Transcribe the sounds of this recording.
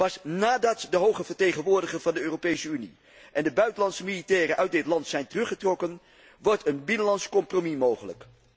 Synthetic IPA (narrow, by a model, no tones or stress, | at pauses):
pɑsnaːdɑtdəɦowχəvəɹtejχənʋʊːɹdəχəɹvɑndəøːropejsəynḭ | ʔɛndəbœɥtənlɑntsəmilitɛːrəʔœɥt̚dɪtlɑntsɛjntərɵχətrɔkən | ʋɔɹtʰənbɪnənlɑntskɔmpromimowχələ̰k